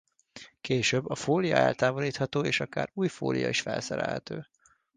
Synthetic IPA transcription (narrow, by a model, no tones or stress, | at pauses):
keːʃøbːɒfoːlijɒɛlt̪aːvoliːt̪hɒt̪oːeːʃɒkaːɾuːjfo̰ːlʔijɒ̰iʃfɛlsɛɾɛ̰lhɛt̪øː